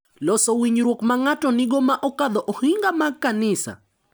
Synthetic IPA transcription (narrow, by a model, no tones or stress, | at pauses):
lɔsɔwiɲɾwokmaŋatɔnɪɡɔmaʔɔkad̪ɔʔohiŋɡamakːanɪsa̰